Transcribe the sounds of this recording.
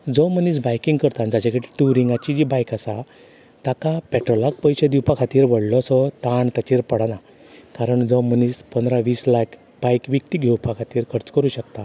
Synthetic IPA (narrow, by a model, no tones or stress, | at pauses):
d͡zɔməniːsbajkĩŋɡkəɾt̪ãnd͡zat͡ɕakəʈiʈuɾiŋɡat͡ɕid͡ʑibajkasa | t̪akapɛʈɾɔlak̚pəjɕed̪iwpakʰat̪iːɾʋəɽlɔsɔt̪aɳt̪at͡ɕiːɾpəɽana | kaɾəɳd͡zɔməniːspənd̪ɾaʋiːslak | b̥ajkʋik̚t̪iɡʱewpʰakʰat̪iːɾkʰəɾət͡skəɾuːɕəkt̪a